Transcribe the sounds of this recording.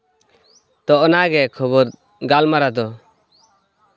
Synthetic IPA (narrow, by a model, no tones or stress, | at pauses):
t̪ɔʔnaɡɛkʰɔβɔɾ | ɡalmaɾad̪ɔ